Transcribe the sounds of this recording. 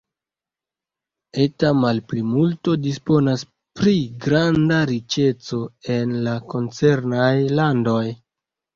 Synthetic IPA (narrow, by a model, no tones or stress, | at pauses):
e̞tamalplimulto̞dispo̞nas | pɾiɡɾandaɾit͡ʃe̞t͡so̞e̞nlako̞nt͡se̞ɾnajlando̞j